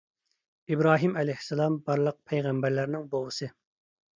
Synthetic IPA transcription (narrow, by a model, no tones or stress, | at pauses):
ibɾɑːɦimɛlɛjhsːɛlˠɑmbɑɾlˠəq̚pʰɛjʁæmbæɾlæɾnɪŋbolˠəsɨ